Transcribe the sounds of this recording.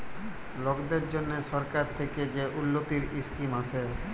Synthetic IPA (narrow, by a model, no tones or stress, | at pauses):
loɡd̪eɾd͡ʒonːesɔɾkaɾt̪ʰeked͡ʒeʔulːot̪iɾiskimase